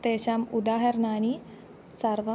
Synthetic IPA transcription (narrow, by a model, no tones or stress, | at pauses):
t̪eːʃaːmud̪aːɦɐɾnaːni | sɐɾʋɐ